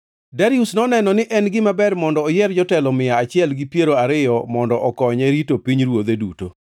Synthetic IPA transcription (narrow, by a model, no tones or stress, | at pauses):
daɾiusnɔnɛnɔnɪʔɛnɡɪmabɛrmɔndɔːjɛrd͡ʒɔtɛlɔmɪjaːt͡ʃɪɛlɡɪpjeɾoaɾɪjɔmɔndɔʔɔkɔɲɛɾitopiɲɾwod̪eduto̰